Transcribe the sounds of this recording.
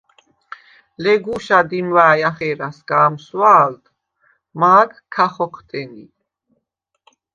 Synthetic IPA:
lɛɡuʃad̪imvaːjaχɛːɾasɡ̥aːmswaːld̪ | maːɡkʰːaχɔqʰt̪ʼɛni

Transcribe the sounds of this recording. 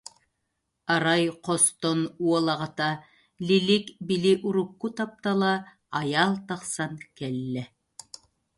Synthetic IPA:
ɑɾɑjqost̪onuolˠɑʁɑt̪ɑ | lʲilikbiliʔuɾukːut̪ɑp̚t̪ɑlˠɑ | ɑjɑlˠt̪ɑqsɑŋkælːæ

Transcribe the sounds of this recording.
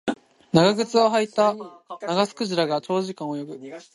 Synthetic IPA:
naɡaɡɯ̟t͡sɨo̞ɦait̪anaɡasɨ̥kɯ̟ʑiɾaɡat͡ɕo̞ːʑikãɰ̃ojo̞bɯ̟

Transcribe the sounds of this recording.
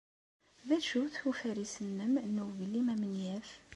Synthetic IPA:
ðæʃuθufæɾisənːəmnuwvəlːimæmənjæf

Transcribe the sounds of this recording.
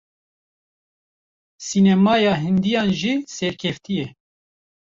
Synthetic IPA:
sinɛmɑːjɑːɦɪnd̪ijɑːnʒiːsɛɾkʰɛft̪ʰijɛ

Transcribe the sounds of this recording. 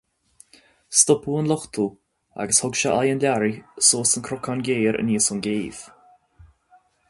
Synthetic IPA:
st̪ʊpuːənlʊxt̪ʰuː | a̰ɡəshʊɡʃaʔajənlʲaɾisoːsənkʰɾɔkʰanɡeːɾə̰niːsʊnɡeːv̥

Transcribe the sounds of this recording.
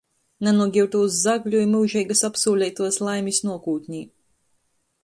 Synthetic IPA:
nʲɛnuɔɡʲiwt̪uwzzaɡlʲujmɨwʒɛjɡasapsuːlʲɛjt̪uɔslˠajmʲisnuɔkuːt̪ʲɲʲiː

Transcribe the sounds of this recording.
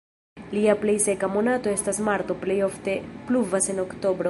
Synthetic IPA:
liaple̞jse̞kamo̞nato̞e̞stasmaɾt̪o̞plejo̞ft̪e̞pluvase̞no̞kt̪o̞bɾo

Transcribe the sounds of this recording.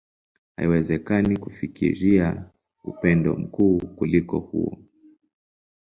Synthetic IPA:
ha̰iwɛzɛkanikufikḭɾia | upɛndɔ̰m̩kuːkulikɔhuɔ

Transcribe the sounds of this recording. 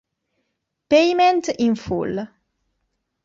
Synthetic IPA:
pejmɛntəʔinful

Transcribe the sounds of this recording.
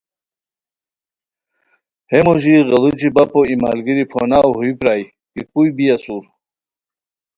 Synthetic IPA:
hemuʑiɣɐlut͡ɕibapoima̰ːlɡiɾipʰo̰nawɦuipɾaːj | kipujbijasuɾ

